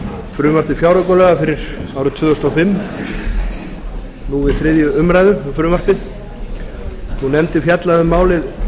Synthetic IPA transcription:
fɾʏːmaɾ̥tɪfjaːwɾakɔlɛɣafɪɾɪɾ̥aːwɾʏt̪ʰvʏːðʏst̪ɔfɪmː | nuvɪðθɾɪðjʏʏmɾajðʏfɾʏːmar̥pɪð | θunɛmt̪ɪfjat̪laðʏmːaːwlɪð

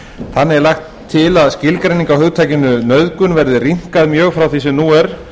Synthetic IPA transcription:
θanːɛɾlajxt̪ʰːɪlaðscɪlkɾejnĩŋkawhʏɣt̪ʰaːjcɪnʏnœðkʏnvɛɾðɪriŋ̥kaðmjœːɣfɾawθisɛmnuːɛɾ̥

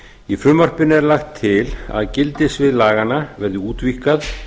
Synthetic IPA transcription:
ifɾʏmːar̥pɪnʏɛɾlaxt̪ʰːɪla̰ðcɪlt̪ɪsvɪðlaːɣanːavɛɾðʏuːt̪vihkað

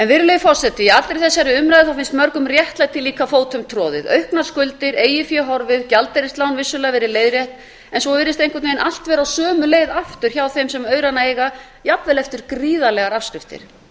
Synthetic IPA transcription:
ɛnvɪɾlejfɔr̥sɛt̪ːɪjɛat̪ɾeɾjθɛsːaɛɾɪʏmɾajðɪθawfɪnst̪mœɾkʏmrjɛht̪lat̪ʰɪlːiːkafoːwt̪ʰœmt̪ʰɾɔːðɪ̰ðœɥhknaskʏlt̪ɪɾeːjɪfjɛɦɔɾvɪðcalt̪ɛɾɪst̪lawnvɪsːʏlɛːavɛɾɪleːjðrjɛht̪n | ɛnsvɔvɪɾɪst̪ẽjŋkvɛtnejnʔal̥t̪vɛːɾawsœːmʏleːjðaft̪ʏɾ̥çawθejmsɛmœːɥɾanaejɣa | japvɛlɛft̪ʏɾ̥kɾiːðalɛɣaɾafskɾɪft̪ɪ̰ɾ̥

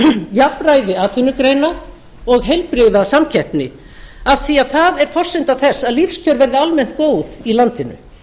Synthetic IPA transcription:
japrajðɪaːt̪ʰvʏnʏkɾeːjna | ɔɣɦejlpɾɪɣðasamcʰɛhpnɪ | avθiaðθaðɛɾ̥fɔr̥sɪnt̪aθɛsːaðlifscʰœɾvɛɾðɪalmɛn̥t̪̚koːwðilant̪ɪnʏ̰

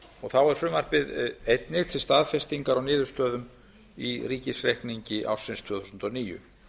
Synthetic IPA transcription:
ɔɣθawɛɾ̥fɾʏmar̥pɪðejt̪nɪɣt̪ʰɪlst̪aːðfɛst̪iŋkaɾawnɪːðʏɾ̥st̪œːðʏm | iriːcɪsrehkniɲcɪʔa̰wɾ̥sɪnst̪ʰvʏːθusnt̪ɔniːjʏ̰

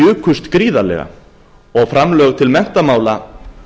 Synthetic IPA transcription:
ʏːkʰʏst̪kɾiːðalɛ̰ɣa̰ | ɔɣfɾamlœːɣt̪ʰɪlmɛn̥t̪amaːwla

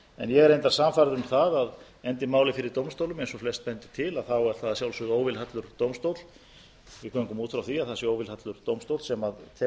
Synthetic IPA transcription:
ɛ̰njɛɣɛɾejnt̪aɾ̥samfaɾðʏmθaðað | ɛnt̪ɪmaːwlɪfɪɾɪɾt̪owmst̪owlʏmɛjnsɔflɛst̪̚pɛnt̪ɪ̥t̪ʰɪlaðθawɛɾθaðajawlsʏɣoːwvɪlhat̪lʏɾ̥t̪owmst̪owt̪l̥ | vɪkʰvœŋkʏmuːt̪fɾawθiaðθasɪoːwvɪlhat̪lʏɾ̥t̪owmst̪owt̪sɛmaðt̪ʰɛ

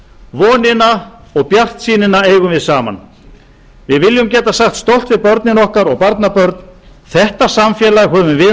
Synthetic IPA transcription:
vɔːnɪnaɔɣpjar̥t̪siːnɪnaeːjɣʏmvɪðsaːma̰n | vɪðvɪljʏmcɛːt̪asaxt̪st̪owl̥t̪vɪðpœɾt̪nɪnɔhkaɾɔɣpaɾt̪napœɾt̪n | θɛht̪asamfjɛːlaɣɦœːvʏmvɪ

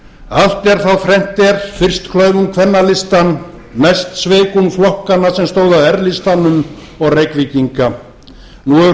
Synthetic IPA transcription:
al̥t̪ɛɾ̥θawfɾɛm̥t̪ɛɾfɪr̥st̪kʰlœːɥvʏnkʰvɛnːalɪst̪anː | ajst̪sveːkunflɔhkanːasɛmst̪oːwðawɛɾlɪst̪anʏm | ɔɣrejkvɪciŋka | nuɛ

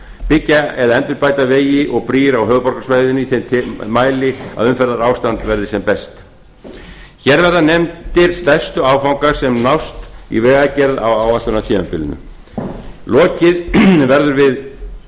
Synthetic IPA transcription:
pɪcːaɛðaɛnt̪ʏɾpaːjt̪aveːjɪʔɔɣpɾiːɾawɦœːɣʏpɔɾ̥kasvaːjðɪnɪiθejmt̪ʰmaːjlɪa̰ðʏmfɛɾðaɾaːwst̪ant̪vɛɾðɪsɛmpɛst̪ | çɛɾvɛɾðanɛmt̪ɪɾ̥st̪ɛr̥st̪ʏaːwfawŋkḁsɛmnawst̪ḭvɛːɣacɛɾða̰wawat̪ʏnat̪ʰiːmapɪlɪ̰nʏ̰ | lɔːcɪðvɛɾðʏɾvɪð

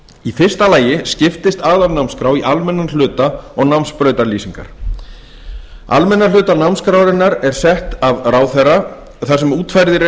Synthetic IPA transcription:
ifɪr̥st̪alaːjɪscɪft̪ɪst̪aːðavnawmskɾaːwiʔalmɛnːanl̥ʏːt̪aɔɣnawmspɾœːɥt̪aɾliːsiŋka̰ɾ̥ | a̰lmɛnːalʏːt̪anawmskɾawɾɪnːaɾɛɾ̥sɛht̪avraːwθɛrːa | θḁsɛmuːt̪fajɾðɪɾ

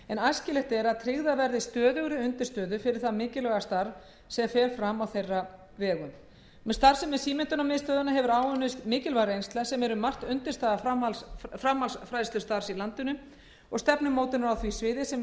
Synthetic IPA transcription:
ɛnajscɪlɛht̪ɛɾaðt̪ʰɾɪɣðavɛɾðɪst̪œːðʏɣɾɪʏnt̪ɪ̥st̪œːðʏfɪɾɪɾ̥θaðmɪːcɪlɛɣast̪aɾ | sɛfɛːɾfɾamawθejrːa | vɛːɣʏm | mst̪aɾ̥sɛmɛðsiːmɪnt̪ʏnawmɪːðst̪œːðʏnaɦɛvʏɾaːwʏnɪst̪mɪːcɪlvajɾɪejnst̪lasɛmɛɾʏmar̥t̪ʏnt̪ɪst̪aːðafɾamalsfɾamhalsfɾajðst̪ʏst̪aɾ̥silant̪ʏnʏ | ɔɣst̪ɛpnʏmoːwt̪ɪnaɾawθvisvɪːðɪsɛm

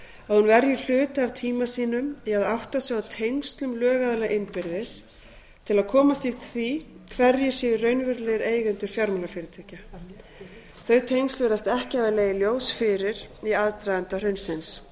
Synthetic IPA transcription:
aðhunvɛɾjʏl̥ʏːt̪aavt̪ʰiːmasiːnʏmjɛaðawht̪asɛɣawt̪ʰejnst̪lʏmlœːɣaðɪlaʔɪnpɪɾðɪs | t̪ʰɪlaðkʰɔːmast̪iθi | kʰvɛɾjɛ̥sjɛːðʏrœɥnvɪɾlɛðɪɾeːjɣɛnt̪ʏɾfjawɾmɛlafɪːɾɪt̪ʰɛːca | θœɥt̪ʰejnst̪lveːɾðast̪ɛhcɪavaleːjɪljoːwsfɪɾɪɾiaðt̪ɾajðant̪ar̥ʏɥnsɪns

